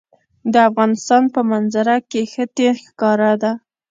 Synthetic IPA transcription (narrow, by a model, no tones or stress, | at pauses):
d̪əafɣɑnɪst̪ɑnpəmanzaɾakexət̪exkɑɾad̪a